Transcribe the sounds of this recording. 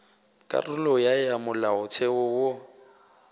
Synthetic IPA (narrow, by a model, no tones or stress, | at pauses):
kʼa̰rʊlɔjajamʊlaʊt͡sʰɛwʊwo